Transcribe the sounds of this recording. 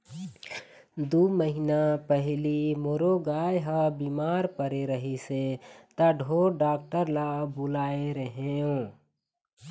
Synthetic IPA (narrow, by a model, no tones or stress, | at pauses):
d̪uməɦinapɛɦlimoːɾoɡaːjɦabiːmaːɾpəɾeɾəɦiset̪aɖʱoːɖaːk̚ʈəɾlabʊlaːeɾəɦeõː